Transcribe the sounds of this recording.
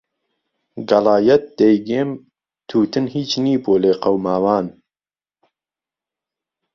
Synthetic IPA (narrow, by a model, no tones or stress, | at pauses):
ɡɐlɑːjɛt̪̚d̪̥ɛjɡeːm | t̪ʰuːt̪ɨnhiːt͡ʃniːboːleːqɐwmaːwɑːn